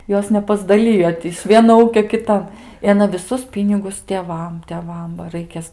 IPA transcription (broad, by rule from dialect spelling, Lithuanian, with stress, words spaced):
ˈjoːs nʲɛpɐzdɐˈlʲɪjoː tʲɪ ɪʃ ˈʋʲiɛnoː ˈuːkʲoː kʲɪˈtɐn ɪ ɐˈnɐ ʋʲɪˈsʊs ˈpʲiːnʲɪɡʊs tʲeːˈʋɐm tʲɛˈʋɐm bɐ ˈrɐɪkʲeːs